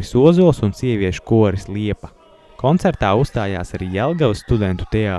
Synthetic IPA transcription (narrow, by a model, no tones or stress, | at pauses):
isuɔzuɔlˠsunsiɛviɛʃu̥kuɔɾislˠiɛpɐ̥ | kʰɔnt̪sɛɾt̪aːust̪aːja̰ːsaɾiːɛlˠɡavsːt̪ud̪ɛnt̪u̥t̪ɛaː